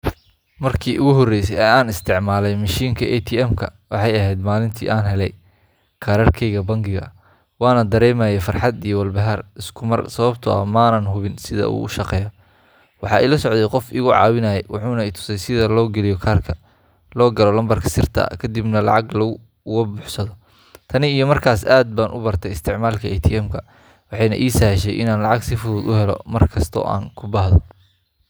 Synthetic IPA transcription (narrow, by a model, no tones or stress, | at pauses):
mɐrkʰiːʔʊɣʊɦɔrɛjsɛjɐaːnɪst̪ʰɪʕmaːlɛjmɐʃiːŋkʰɐʔɛt̪ʰiɛmkʰɐ̰wɑħɑjɐɦɛjd̪maːlɪnt̪ʰḭːʔaːnɦɛlɛj | kʰɐɾɐːrkʰɛjɣɐbɐŋɡɪɣɐ̰ | wɑːnɐd̪ɐɾɛːmaːjɛfɐrħɑd̪ijɔwɐlbɐɦɐrɪskʰʊmɐ̰rsɐβɐbt̪ʰʊɐ̰mɐːnɐnɦʊβɪnsɪðɐ̰ṵːʔʊʃɑqɛːjɐ | wɑħɑːʔɛ̰jlɐsɔʕd̪ɛjqɔfḭːɣʊʕɑ̰ːwɪnɐjɛjwʔɑ̰ħuːnɐɛt̪ʰʊ̥sɛjsɪðɐlɔːɡɛlɪjɔkʰaːrkʰɐ | lɔːɡɐlɔlɐmbɐrkʰɐ̥sɪrt̪ʰɐ̰kʰɐd̪ibnɐlɑ̰ʕɑɡlɐʊ | ɣɐbʊħsɐðɔ | t̪ʰɐnɪijɔmɐrkʰaːsaːd̪̚baːnʔʊ̰bɐrt̪ʰɛɪst̪ʰɪʕmaːlkʰɐɛjt̪ʰiɛmkʰɐ | wɑħɑjnɐ̰ʔiːsɐhʃɛjʔɪ̰naːnlɑʕɑɡsɪfʊðuːd̪ʊhɛlɔ̰mɐrkʰɐst̪ʰɔ̰ːʔa̰ːŋkʰʊbɑhðɔ